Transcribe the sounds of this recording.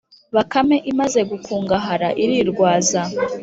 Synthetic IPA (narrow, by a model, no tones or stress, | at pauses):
βakame̞ʔimaze̞ɡukʰuːŋɡaɦaɾaʔiɾiɾɡwaːza